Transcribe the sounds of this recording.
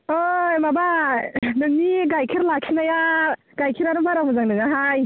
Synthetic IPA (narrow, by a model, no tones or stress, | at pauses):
ojmabadɯŋniɡajkʰiɾlakʰinaja | ɡ̥ajkʰiɾaɾumbaɾawmɯzaŋnɯŋaɦaj